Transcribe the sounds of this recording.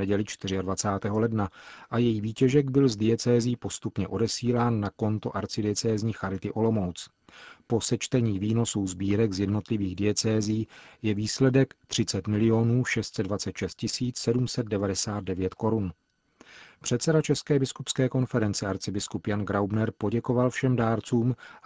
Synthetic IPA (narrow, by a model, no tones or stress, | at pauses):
ɛɟɛlɪt͡ʃt̪ɪrɪadvat͡saːt̪ɛːɦo̞lɛdnaʔajɛjiːviːcɛʒɛɡbɪlzdɪɛt͡sɛːzɪijiːpo̞st̪upɲɛʔo̞dɛsiːlaːnːako̞nt̪oʔaɾt͡sɪdɪɛt͡sɛːzɲiːxaɾɪt̪ɪʔo̞lo̞mo̞wt͡s | po̞sɛt͡ʃt̪ɛɲiːviːno̞suzbiːɾɛɡzjɛdno̞t̪lɪviːɣdɪɛt͡sɛːziiːjɛviːslɛdɛkt̪r̥ɪt͡sɛt̪mɪlɪo̞nuːʃɛst̪t͡sɛdvat͡sɛt̪ʃɛst̪̚cɪsiːt͡ssɛdumsɛd̪̚dɛvadɛsaːd̪̚dɛvjɛt̪ko̞ɾun | pr̝̥ɛt̪t͡sɛdat͡ʃɛskɛːbɪskupskɛːko̞nfɛɾɛnt͡sɛaɾt͡sɪbɪskupjanɡɾawbnɛɾpo̞ɟɛko̞valfʃɛmdaːɾt͡suːm